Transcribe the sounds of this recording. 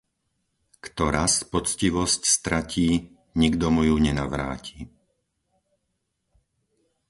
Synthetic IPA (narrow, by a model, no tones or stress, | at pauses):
kt̪ɔɾaspɔt͡sciʋɔscst̪ɾacʰiː | ɲiɡd̪ɔmujuɲɛnaʋɾa̰ːciː